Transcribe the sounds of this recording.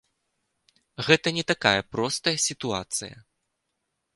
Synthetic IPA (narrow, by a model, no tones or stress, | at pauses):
ɣɛt̪ɐnʲɛt̪akajɐpɾɔst̪ɐjɐsʲit̪ua̰t̪sɨjɐ̰